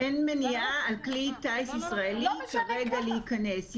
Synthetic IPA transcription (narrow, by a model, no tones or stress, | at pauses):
ʔenmeniʔaːlklit̪aisisʁaelikeʁeɡaleikɐnes